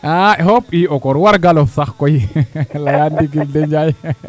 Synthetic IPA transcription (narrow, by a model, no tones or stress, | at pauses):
ʔaɛhɔpiɔkɔɾwaɾɡalɔfsaxkɔjilalandiɡildɛɲd͡ʒaj